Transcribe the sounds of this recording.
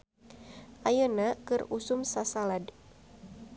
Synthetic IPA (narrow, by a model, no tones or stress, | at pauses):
ʔajənakɨrusʊmsasalad